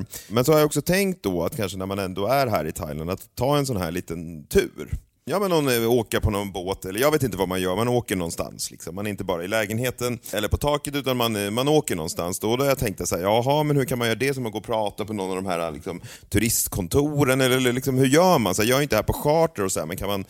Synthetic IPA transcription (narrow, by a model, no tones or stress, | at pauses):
mɛnsɔhajaɔksɔt̪ʰɛŋkt̪̚d̪ɔa̰t̪kʰanʂənæɾmanɛnd̪oːæɾɦæ̰ːɾɪt̪ʰa̰jla̰nd̪at̪ʰːɑːɛns̬ɔnɦæ̰ːɭiːt̪ənt̪ʰʉ̰ːɾ | jɑːmɛnːɔnoːkəɾpʰɔnɔnboːt̪ɛlːəɾjɑɡveːt̪ɪnt̪əvamanjœːɾmanoːkəɳɔnst̪a̰nslɪ̰ksɔmːanɛɾɪnt̪̬əbɑːɾaɪlɛːɡənheːt̪ənɛlːəɾpʰɔt̪ʰɑːkət̪ʉ̟ːt̪anmanmanoːkəɳɔ̰nːst̪a̰nsd̪ɔd̪ɔhaɾjat̪ʰɛŋk̚t̪at̪sæːjɑːɦɑmɛnhʉɾkʰanmanjœːɾad̪ɛsɔmaɡoːɾpʰɾɑːt̪apʰɔnɔnːavd̪ɔmɦæ̰ːɾa̰lɪ̰ksɔm | t̪ʰʉɾɪst̪kʰɔnt̪ʰuɾənɛlːələlɪksɔmhɵɾjœːɾmansæːjɑːɡɾjɪnt̪ədɛhæɾpɔɧɑːʈəɾɔsɔæ̰ːmɛnkʰanman